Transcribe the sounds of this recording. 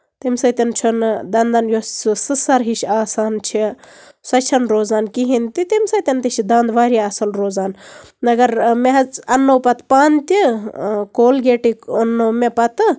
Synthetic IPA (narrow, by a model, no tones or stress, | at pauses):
t̪imʲsɐt̪ɐnt͡ʃʰund̪ɐnd̪ɐnjosɨsɐɾɦiʃaːsaːnt͡ʃʰi | sɐt͡ʃʰɐnɾoːzaːnkiɦint̪it̪imsɐt̪ʲɐnt̪iʃid̪ɐnd̪ʋaːɾiaːsɐlɾoːzaːnɐɡɐɾmeɦɐt͡sɐnːoːpɐt̪paːnt̪ikoːlɡeːʈikonːomepɐt̪ɨ